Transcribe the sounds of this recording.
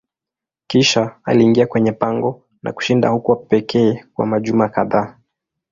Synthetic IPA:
kiʃaa̰liːŋɡiakwɛɲɛpaŋɡɔ | nʔa̰ku̥ʃindahukuapɛkʰɛːkwa̰maʄumakaðaː

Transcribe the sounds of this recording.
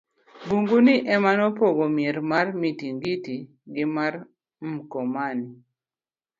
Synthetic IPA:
buŋɡuniʔɛmanɔpoɡomeɾmarmitiŋɡiti | ɡɪmaɾ | m̩kɔmani

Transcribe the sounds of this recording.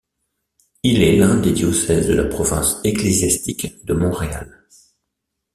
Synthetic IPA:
ilɛlɛ̃d̪ed̪jɔsɛzd̪əlapχɔvɛ̰̃seklezjast̪ikd̪əmɔ̃ʁea̰l

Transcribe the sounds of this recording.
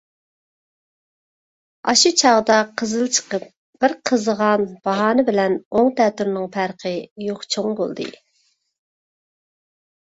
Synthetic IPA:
ɑ̰ʃut͡ʃʰɑʁd̪ɑqʰəzɨlˠt͡ʃʰə̥qəp̚ | b̥ɪɾqʰəzəʁɑnb̥ɑɦɑːnɨbɪlɛnoŋt̪ɛt̪yɾnɪŋpʰæɾqʰəjoqt͡ʃʰoŋbo̰lˠd̪ɨ̰

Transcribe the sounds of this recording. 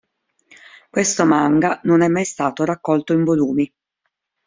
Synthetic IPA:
kwest̪omaŋɡanonɛmːajst̪aːt̪oɾakːɔlt̪oiɱvoluːmi

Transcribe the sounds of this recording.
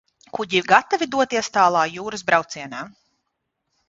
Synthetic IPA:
kuɟiɾɡat̪avid̪uɔt̪iɛst̪aːlˠɑːjuːɾɨzbɾawt̪siɛnaː

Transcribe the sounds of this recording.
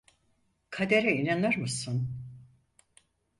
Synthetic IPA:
kʰad̪eɾɛinanɯɾmɯsun

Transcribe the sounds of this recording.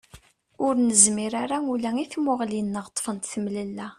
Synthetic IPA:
ʊɾnəzmiɾaɾaulæiθmʊʁlinːəʁt̪ˤːfənt̪θəmləlːæ

